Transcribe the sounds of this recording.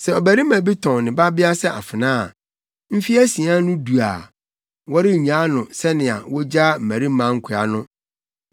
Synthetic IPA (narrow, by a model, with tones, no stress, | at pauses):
sɛ˨ɔ˨bæ˨ɾi˦mæ̃˨bi˦tʰɔ̃˨nɪ̃˨ba˦bɪ˦a˦sɛ˦ʔa̰˨fɪ˨nãː˦a˨ | m̩˦fi˦æ˦si˨ã˦nʊ̃˦du˨a̰˨ | wɔ˦ɾɪ˦˨ɲã˦nʊ̃˨sɛ˦nɪ̃˨a̰˨wɔ˦d͡ʑa˦m̩˨mæ˨ɾi˦m̩˦mã˦ŋ̩˦kʰʊ˨˦a̰˨nʊ̃˦